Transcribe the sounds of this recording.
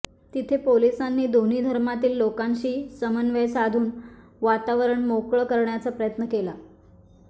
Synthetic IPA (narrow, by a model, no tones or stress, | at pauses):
t̪it̪ʰepolisanːiːd̪oniːd̪ʱəɾmat̪iːlːokãnɕiːsəmənʋejsad̪ʱuːn | ʋat̪aʋəɾəɳmokɭəkəɾɳjat͡sapɾəjət̪nəkela